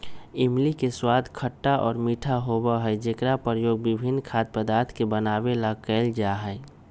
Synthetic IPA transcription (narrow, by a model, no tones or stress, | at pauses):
ɪmlikeswaːd̪ʱkʰəʈːaʔɔːɾmiːʈʰaɦoːbaɦɛd͡ʒekɾapəɾjoːɡ̚bɪbʱɪnːkʰaːt̪̚pəd̪aːɾt̪ʰkebənaːwelakɛːld͡ʒaːɦɛː